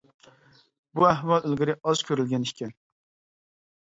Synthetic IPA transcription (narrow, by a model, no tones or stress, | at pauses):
buæɦwɑlˠølɡʲɪɾɪʔɑz̥kʲʰøɾylɡʲɛnikʲʰɛn